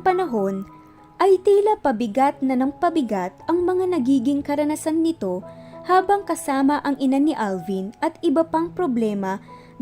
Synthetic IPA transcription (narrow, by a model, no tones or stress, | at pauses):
pɐnɐɦo̞n | ʔɐjt̪iːlɐpɐbɪɡat̪̚nɐnɐŋpɐbɪɡat̪̚ʔɐŋmɐŋanɐɡiːɡɪŋkɐɾɐnɐsanːɪt̪o̞haːbɐŋkɐsaːmɐʔɐŋʔɪnanɪʔalvinʔɐt̪ɪbɐpaŋpɾoblɛːmɐ